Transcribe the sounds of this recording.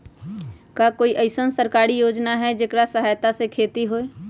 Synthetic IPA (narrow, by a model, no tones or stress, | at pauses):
kaːkoːiʔəɪsənsəɾkaːɾijoːd͡ʒnaɦɛd͡ʒɪkɾasəɦaːjt̪asekʰeːt̪iɦoːeː